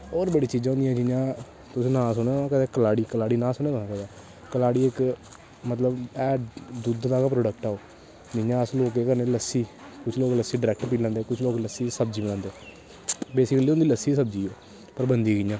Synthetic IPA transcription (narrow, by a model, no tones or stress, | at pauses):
oːɾbəɽiːt͡ʃiːd͡ʒãːõːnd̪ijɛ̃ːd͡ʒɪjãː | t̪ʊsĩːnãːsʊnokɛt̪eːkəlaːɽiːkəlaːɽiːnãːsʊneːt̪onãːpɛd̪aː | kəlaːɽiːɪk | mət̪ləbɛːd̪ud̪nãːkapɾoːɖək̚ʈɛːoː | d͡ʒɪjãːəsloːkeːkəɾneːləsːiːkʊt͡ʃʰloːkləsːiːɖɪɾɛːk̚ʈpiːlãːnd̪eːkʊt͡ʃʰloːkləsːiːsəbd͡ʒiːbənãːnd̪eː | beːsɪkəliːʊnd̪iːləsːiːsəb̚d͡ʒiːoː | pəɾbənd̪iːɡɪjãː